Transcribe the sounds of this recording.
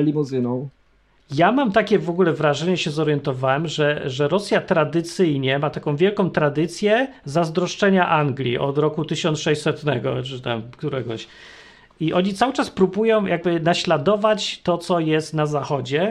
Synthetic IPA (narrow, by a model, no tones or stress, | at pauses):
lʲimɔzɘnɔ̃w̃ | jamamt̪akʲɛvɔɡulɛvɾaʐɛɲɛɕɛzɔɾjɛnt̪ɔvawɛmʐɛʐɛɾɔsʲjat̪ɾad̪ɘt̪sɘjɲɛmat̪akɔ̃w̃vʲjɛlkɔ̃w̃t̪ɾad̪ɘt̪sʲjɛzazd̪ɾɔʂt͡ʂɛɲaʔaŋɡlʲḭʔɔd̪ɾɔkut̪ɘɕɔnt̪ʂɛjɕsɛt̪nɛ̰ɡɔ̰t͡ʂɘt̪a̰mkt̪uɾɛɡɔ̰ɕ | iʔɔɲit̪sawɘt͡ʂaspɾubujɔ̃w̃jʔaɡbɘnaɕlad̪ɔvat͡ɕt̪ɔt̪sɔjɛst̪nazaxɔd͡ʑɛ